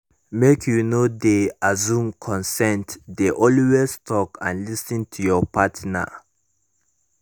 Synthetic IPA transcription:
mekʰjunodeazũmkʰɔ̃nsɛ̃ntdeʔɔliwɛstʰɔkã̰nlisə̃ntʰujɔpʰatna̰

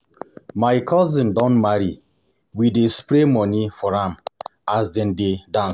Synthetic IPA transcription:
maɪkʰɔzĩmdɔ̃nmaɾi | widespɾemɔnifɔɹãmazdɛ̃ndedãn

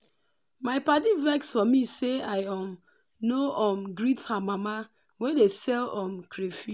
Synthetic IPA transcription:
maɪpadivɛksɔmiseaɪam | noʔɔm̩ɡɾithamama | wedesɛlɔm̩kɾefi

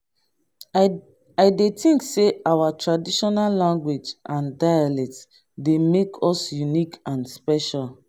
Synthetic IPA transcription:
aɪdetʰĩŋkseʔawatɹadiʃɔnalːãŋɡwed͡ʒãndajalɛk̚ts | demekʰɔsjunikãnspɛʃal

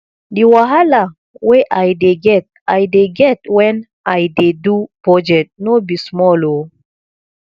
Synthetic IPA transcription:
diwaɦala | weʔajdeɡɛt̚ | ajdeɡɛtwɛ̃n | ajdedupɹɔd͡ʒɛk̚t̚nobismɔlo

